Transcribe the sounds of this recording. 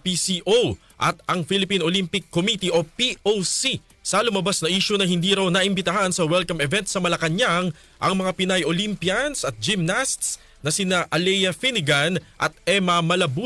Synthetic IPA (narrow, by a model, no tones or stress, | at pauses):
pisiʔow | ʔɐt̪ɐŋfilɪpinolimpɪkːomit̪iʔo̞piʔowsi | sɐlʊmɐbasnɐʔiːʃʊnɐhɪnd̪iːɾɐwnɐʔɪmbɪt̪ɐɦansɐwɛlkɐmɛvɛnt̪sɐmɐlɐkɐɲaŋ | ʔɐŋmɐŋapɪnajʔolimpjansɐt̪̚d͡ʒɪmnast̪s | nɐsɪnaʔɐlɛjɐfinɪɡanʔɐ̰t̪̚ʔɛmɐmɐlɐbu